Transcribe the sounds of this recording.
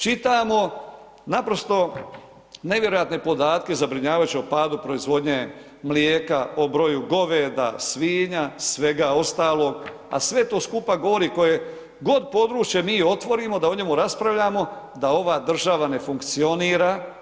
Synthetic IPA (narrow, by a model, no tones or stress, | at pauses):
t͡ʃit̪amo̞ | napɾo̞st̪o̞ | ne̞ʋje̞ɾo̞jat̪ne̞po̞d̪aːt̪̚ke̞zabɾiɲaːʋajut͡ʃeopaːd̪upɾo̞izʋo̞d̪ɲe | mlijeːkaobɾo̞juɡo̞ʋeːd̪a̰sʋiːɲasʋe̞ɡao̞st̪aːlo̞ɡ | a̰sʋe̞t̪o̞ːskupaɡo̞ʋo̞ɾiko̞je̞ | ɡo̞d̪po̞d̪ɾuːt͡ʃje̞miːo̞t̪ʋo̞ɾiːmo̞d̪aoɲe̞muɾaspɾaʋʎaːmo̞ | d̪ao̞ʋaːd̪r̩ʒaʋane̞fuŋkt̪sio̞niːɾaː